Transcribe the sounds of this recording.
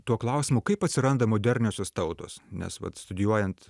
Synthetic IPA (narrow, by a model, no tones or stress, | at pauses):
t̪uɔklˠɐʊsʲɪmʊkɐɪpɐt̪ʲsʲɪɾɐnd̪ɐmoːd̪ʲɛɾʲnʲoːsʲost̪ɐʊt̪o̰ːsnʲɛ̰sʋɐ̰t̪st̪ʊd̪ʲɪjuɔjɛntt̪